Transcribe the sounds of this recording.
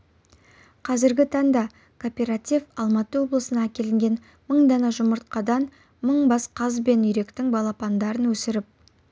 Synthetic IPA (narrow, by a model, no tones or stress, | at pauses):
qʰɑzɪɾɡʲɪt̪ʰɑɴd̪ɑ | kʰo̞pʲe̞ɾat̪ʲijfɑlˠmɑt̪əwo̞blˠəsənɑækʲe̞lɪŋɡʲe̞n | məɴd̪ɑnɑʒʊməɾt̪̚qɑd̪ɑn | məɴbɑsqʰɑzbe̞nʏjɾe̞kt̪ɪŋbɑlˠɑpɑnd̪ɑɾənwɵsɪɾɪp̚